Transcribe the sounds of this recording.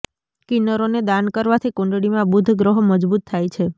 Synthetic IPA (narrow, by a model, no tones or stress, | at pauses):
kinəɾoned̪ankəɾʋat̪ʰikõɳɖɽimãbud̪ʱɡɾəɦməd͡ʒbut̪ʰːajt͡ʃʰe